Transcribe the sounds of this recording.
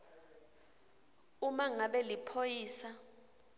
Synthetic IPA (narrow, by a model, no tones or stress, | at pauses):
umaŋaɓɛlipʰojiːsa